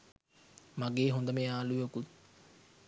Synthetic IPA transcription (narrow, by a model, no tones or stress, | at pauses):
maɡeːɦund̪əmeaːlujekut̪